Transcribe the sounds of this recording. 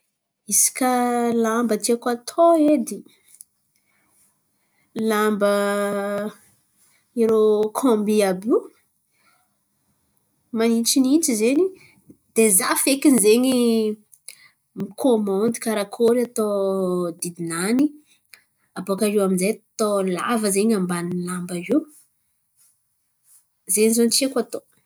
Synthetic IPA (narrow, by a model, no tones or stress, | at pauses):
isi̥kʲalambət̪iakat̪ʰoed̪i | lambə | iɾokʰõmbiabi | manint͡ʃinint͡ʃizeni | d̪̥ezafekinizeɲi | mikʰomɔnd̪i̥kaɾakʰoɾiat̪od̪id̪inani | apokaɾiwaminzejt̪ola̰vəzeɲambanilambaiw | zeɲizont͡ʃekʷat̪o